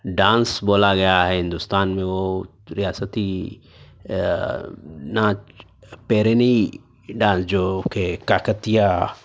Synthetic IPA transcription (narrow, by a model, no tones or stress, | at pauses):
ɖãːnsboːlaɡɐjaɦɛɦɪ̃nd̪ʊst̪aːnmẽʋo | ɾɪjaːsət̪i | na | pɛːɾeni | ɖãːnsd͡ʒoːkekaːkət̪ija